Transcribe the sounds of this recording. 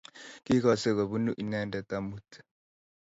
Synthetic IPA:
ki˦ka˨se˦˨ka˨βu˦nu˦ʔi˨na˦nda˨t̪a˦mu˦tḁ˨

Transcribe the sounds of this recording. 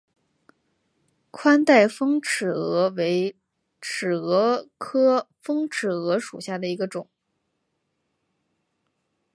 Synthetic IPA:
kʰwa˥nt̪a˥˩ɪfɤ˥ŋʈ͡ʂʰɻ̩˨˩ɤ˧˥we˧˥ɪ | ʈ͡ʂʰɻ̩˨˩ɤ˧˥kʰɤ˥ | fɤ˥ŋʈ͡ʂʰɻ̩˨˩ɤ˧˥ʂṵ˨˩ɕja˥˩d̪ə˩i˧˥ɡə˧ʈ͡ʂʊ˨˩˦ŋ

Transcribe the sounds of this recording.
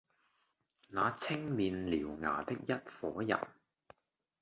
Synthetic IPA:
naː˨˧t͡sʰɪ˥ŋmiː˨˧nliː˨˩wŋa̰ː˨˩t̪ɪ˥k̚jɐ˥t̚fɔː˨˥jɐ̰˨˩n

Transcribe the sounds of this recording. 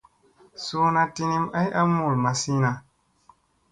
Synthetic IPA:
so˦na˧ti˧ni˦ma˦jʔa˦mu˨ɾma˨si˦na˧

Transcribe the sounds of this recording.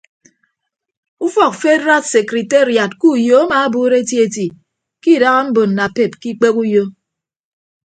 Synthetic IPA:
u˦fɔ˨k̚fe˦ɾa˦tse˨kɾi˨te˦˨ɾja˨t̚ku˦jo˨a˦ma˨a˦buː˦ɾe˦ti˦e˦ti˨ | ki˦˨da˦ɣa˦m̩˦bo˨n̩˨na˨pe˨p̚ki˦k͡pe˦ku˦jo˦

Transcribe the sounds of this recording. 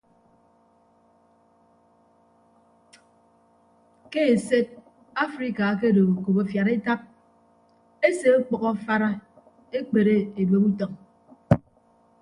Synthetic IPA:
ke˦e˨se˦t̚ | a˦fɾi˦ka˨˦k̬e˦do˨ko˨bo˨fja˨ɾe˦ta˦p̚ | e˦se˨o˦k͡pɔ˨ɣɔ˦fa˦ɾa˦ | e˦k͡pe˨ɾe˦e˨bo˨bu˦tɔ˨ŋ

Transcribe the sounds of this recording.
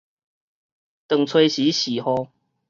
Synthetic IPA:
t̪ə˨˩ŋt͡sʰwe˧ɪɕi˨˦ɕi˨˩hɔ˧˦

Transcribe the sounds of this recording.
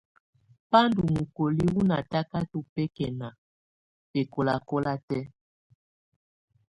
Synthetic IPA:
pa˦ndu˨mu˨ko˨li˦wu˦na˨ta˦ka˦tu˨pɛ˦kɛ˨na˨ | pe˨ko˨la˨ko˦la˦tɛ˦

